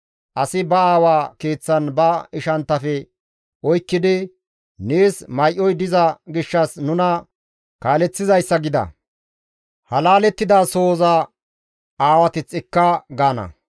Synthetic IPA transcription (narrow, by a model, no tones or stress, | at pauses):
ʔɐsɪbɐaːwaːkeːt͡sːɐnbɐɪʃɐnt̪ːɐfɛ | ʔɔjkːɪd̪ɪ | neːsmɐjʔːɔjd̪ɪzɐɡɪʃːɐsnʊnɐ | kaːlɛt͡sːɪzɐjsːɐɡɪd̪ɐ̰ | hɐlaːlɛt̪ːɪd̪aːso̞ːzɐ | aːwɐt̪ɪt͡sːɪkːɐɡaːnɐ̰